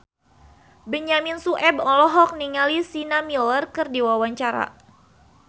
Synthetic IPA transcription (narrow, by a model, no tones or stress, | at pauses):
bəɲaminsuʔɛbɔlɔɦɔk̚niŋalisinamilərkɨrdiwawaɲt͡ʃaɾa̰